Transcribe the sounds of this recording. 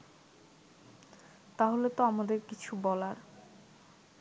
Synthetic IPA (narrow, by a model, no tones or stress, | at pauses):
t̪aɦolet̪oamad̪eɾkit͡ɕʰubɔlaɾ